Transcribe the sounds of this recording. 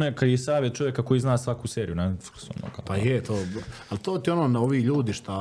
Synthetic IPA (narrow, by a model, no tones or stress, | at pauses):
nekaisaːʋjet̪̚t͡ʃo̞ʋjekako̞jiːznaːsʋakuseːɾijunafso̰mno̰ɡa̰pajɛt̪oːalt̪oːt̪ionoːnaoʋiːʎuːd̪iʃt̪a